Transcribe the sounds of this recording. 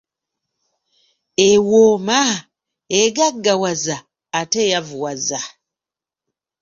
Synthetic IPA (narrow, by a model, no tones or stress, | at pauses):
ewoːma | eɡaɡːawazaː | tejavuwaza